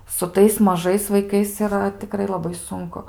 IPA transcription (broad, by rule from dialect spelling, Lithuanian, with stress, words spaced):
sʊ ˈtɐɪs mɐˈʒɐɪs ʋɐɪˈkɐɪs ɪˈrɐ tʲɪˈkrɐɪ lˠɐˈbɐɪ ˈsʊŋkʊ